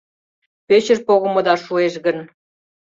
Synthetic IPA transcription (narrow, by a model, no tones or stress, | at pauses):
pet͡ɕərpoɣə̆mɤ̆d̪ɑʃueʃɣə̆n